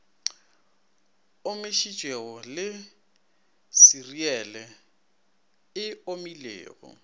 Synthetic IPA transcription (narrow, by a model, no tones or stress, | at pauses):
ʊmɪʃit͡ʃʼeɣɔlɪ | siriɛlɛ | ɪomilḛːɣɔ̰